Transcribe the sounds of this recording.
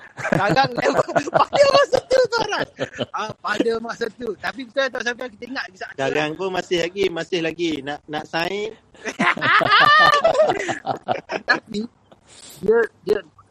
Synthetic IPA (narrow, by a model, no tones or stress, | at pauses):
ɡaɡaŋlepadəmaʔsat̪ut̪aɾaapadəmaʔsat̪ut̪ap̬ikit̪ət̪aʔs̬akakit̪əiŋaʔɡisadaɡaŋpʊnmasɪhlaɡimasɪhlaɡinaʔnaʔsaɪn | t̪api | dədə